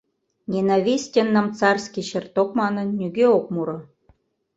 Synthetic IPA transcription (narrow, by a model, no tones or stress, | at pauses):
nʲenaβʲisʲtʲenːə̆mt͡sɑrskʲiɕərt̪okmɑnə̆nːʲyɡeok̚muɾɤ̆